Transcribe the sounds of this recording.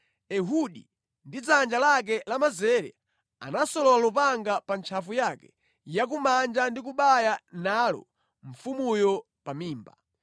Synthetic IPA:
ɛɦuɗḭ | ndid͡zand͡ʒalak̬ɛlamazɛɾɛ̰ | a̰nasɔlɔlalupaŋɡapant͡ʃʰafujakɛ̥̰ | jak̬umand͡ʒandik̬uɓajanaːlɔ̰ | ɱ̩fumujɔ | pamiːmba̰

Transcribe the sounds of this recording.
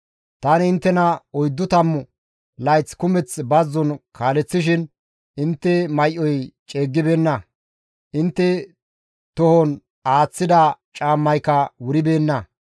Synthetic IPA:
t̪ɐnɪɪnt̪ːɛnɐɔjd̪ːʊt̪ɐmːʊ | lɐjt͡skʊmɛt͡sbɐzːɔnkʰaːlɛt͡sːɪʃ̬ɪn | ɪnt̪ːɛmɐjʔɔjt͡ʃʼeːɡːɪbeːnːɐ | ʔɪnt̪ːɛ | t̪ɔhɔn | aːt͡sːɪd̪ɐt͡ʃʼaːmːɐjkɐwʊɾɪbe̞ːnːɐ

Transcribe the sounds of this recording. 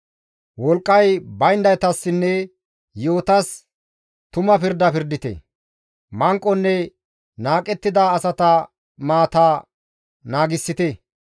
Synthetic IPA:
wɔlkʼːɐjbɐjnd̪ɐjt̪ɐsːɪnːɛ | joːt̪ɐs | t̪ʊmɐpɪɾd̪ɐpɪɾd̪ɪt̪ɛ̰ | mɐŋkʼːɔnːɛ | naːkʼɛt̪ːɪd̪aːsɐt̪ɐ | maːt̪a | naːɡɪsːɪt̪ɛ

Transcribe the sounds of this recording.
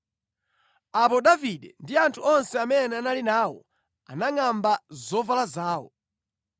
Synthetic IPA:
apɔɗaviɗɛndiantʰuɔnsɛamɛnɛanalinaːwɔ̰ | anaŋambazɔvalazaːwɔ̰

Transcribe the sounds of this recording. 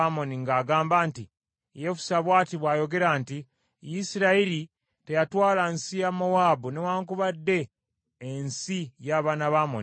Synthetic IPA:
amo̞niŋɡaːɡaːmbaːnti | jefu̥saβwaːtiβwaːjo̞ɡe̞ɾanti | jisiɾaili | te̞jatwaːlansijamowaːbunewaːŋkuβadːe̞ː | nsijaːβaːnaβaːmo̰n

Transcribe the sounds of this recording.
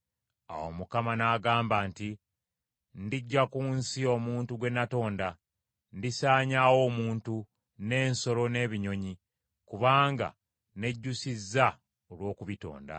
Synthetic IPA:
a̰wo̞̰mukamanaːɡaːmbaːnti | ndiɟːakunsio̞muːntuɡwe̞nːato̞ːnda | ndisaːɲawo̞muːntu | ne̞ːnso̞lo̞ne̞ːβiɲo̞ɲi | kuβaːŋɡa̰ | ne̞ɟːusizːa | olwo̞ːkuβito̞̰ːnda̰

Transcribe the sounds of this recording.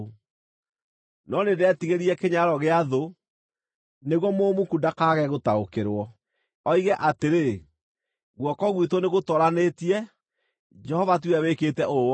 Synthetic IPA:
nɔnedeɛtiɣeɾiɛkeɲaɾɔɣeaðo | neɣwɔmoːmukudakaɣɛɣotaokeɾwɔ | ɔiɣɛʔateɾe | ɣwɔkɔɣwitɔneɣotɔɾanetiɛ | d͡ʒɛhɔvat̬weɾaweketɛo

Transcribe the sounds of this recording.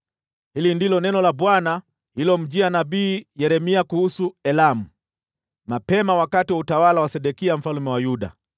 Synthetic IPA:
hilindilɔnɛnɔlaɓwana | hilɔm̩ʄianabiːjɛɾɛmiakuhusuɛlamu | mapɛmawakatiwautawalawasɛɗɛkiam̩falumɛwajuɗa̰

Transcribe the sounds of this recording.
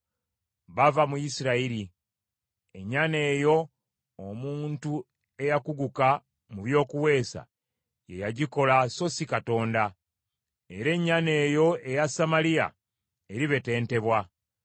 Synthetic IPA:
βavamujisiɾaiɾi | e̞ɲːane̞ːjo̞ː | muːntu | e̞jakuɡuka | muβjo̞ːkuwe̞ːsa̰ | je̞jaɟiko̞laso̞sikato̞ːnda | e̞ɾe̞ɲːane̞ːjo̞e̞jasamalija̰ | eɾiβe̞te̞ːnte̞βwa

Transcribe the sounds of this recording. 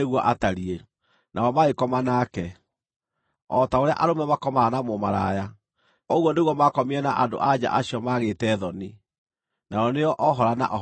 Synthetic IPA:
eɣwɔʔataɾie | nʔaɔmaekɔmanakɛ | ɔtaoɾea̰ʔaɾomɛmakɔmaanamomaɾaja | ɔɣwɔneɣwɔmakɔmiɛnaʔando̰ʔad͡ʑa̰ʔaɕiɔmaɣetɛːðɔni | naɔneɔʔɔɦɔɾana̰ʔɔ

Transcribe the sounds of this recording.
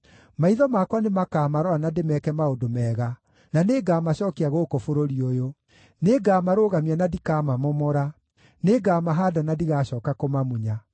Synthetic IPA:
maiðɔmakwanemakaːmaɾɔanademɛkɛmaodomɛːɣa | naneɡaːmaɕɔːkeaɣokofoɾoɾiojo | neɡaːmaɾoːɣamianadikaːmamɔmɔɾa | neɡaːmaɦaːdanadiɣaːɕɔːkakomamuɲa

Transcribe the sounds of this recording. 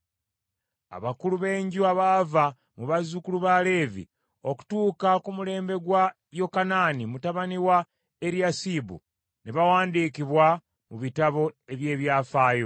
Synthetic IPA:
a̰βakuluβe̞ːɲɟuaβava | muβazukuluβale̞ːvḭ | o̞ku̥tuːkakumule̞ːmbe̞ɡwa | jo̞kanaːnimutaβaniwa | e̞ɾjasiːbṵ | neβawaːndiːkiβwa | muβitaβo̞e̞βje̞ːβjaːfaːjo

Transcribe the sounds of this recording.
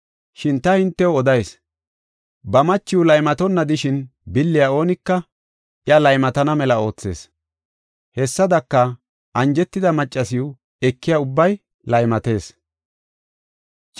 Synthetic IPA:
ʃɪnt̪ɐhɪnt̪ːɛwɔd̪ɐjs | bɐmɐt͡ʃːɪjʊlɐjmɐt̪ɔnːɐd̪ɪʃɪnbɪlːɪjao̞ːnɪkːɐ | ʔɪɐlɐjmɐt̪ɐnɐmɛlɐo̞ːt͡sːe̞̰ːs | hɛsːɐd̪ɐkːɐ | ʔɐnd͡ʒɛt̪ːɪd̪ɐmɐt͡ʃʼːɐsɪjʊ | ɛkːɪjaʊbːɐj | lɐjmɐt̪e̞ːs | t͡ʃʼ

